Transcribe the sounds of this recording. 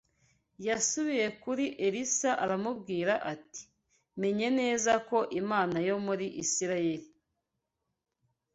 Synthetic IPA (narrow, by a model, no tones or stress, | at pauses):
jasuβije̞kuɾiʔeɾisaʔaɾamubɡiːɾaʔati̥ | me̞ɲe̞ne̞ːzako̞ʔimaːnajo̞muɾiʔisiɾaje̞ɾi